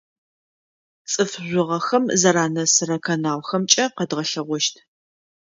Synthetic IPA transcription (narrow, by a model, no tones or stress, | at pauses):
t͡sʼɨfʑʷʊʁɐxɐmzɐɾaːnɐsɨɾɐkʰɐnaːwxɐmt͡ʃʼɐqɐdʁɐɬɐʁʷɔʃtʰ